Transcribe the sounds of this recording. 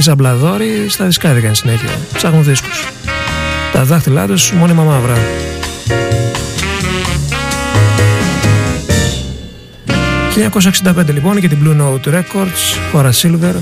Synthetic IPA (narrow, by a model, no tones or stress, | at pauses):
isɐblɐðo̞ɾist̪ɐðiskɐðikɐnisine̞çiɐ̰sɐɣuzðisku̥s | t̪ɐðɐxt̪ilɐ̰t̪usmo̞nimɐmɐvɾɐ | çilɲɐko̞s̬ɐeksind̪ɐpnd̪elipo̞ncet̪̬iblunot̪uɾe̞ko̞ɾd̪sxoɾɐsilveɾ